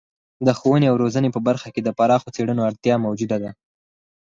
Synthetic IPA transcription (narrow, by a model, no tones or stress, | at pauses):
d̪əxowəneawɾozənepəbaɾxaked̪əpaɾɑxot͡seɽənoaɽt̪jɑmawd͡ʒud̪ad̪a